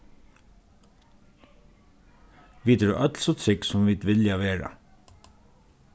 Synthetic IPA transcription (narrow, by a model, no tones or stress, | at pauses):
ʋiːt̪əɖʉːʔœt̪l̩sɔt̪ʰɾɪksɔmʋiːt̪ʋɪljaʋeːɹə̰